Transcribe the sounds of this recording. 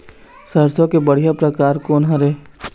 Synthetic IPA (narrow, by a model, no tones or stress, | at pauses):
səɾsõkebəɽ̤ijapɾəkaːɾkoːnɦə̃ɾɛ